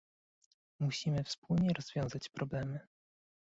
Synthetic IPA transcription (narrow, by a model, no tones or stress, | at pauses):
muɕimɘfspulɲɛɾɔz̥vʲjɔ̃w̃zat͡ɕpɾɔblɛmɘ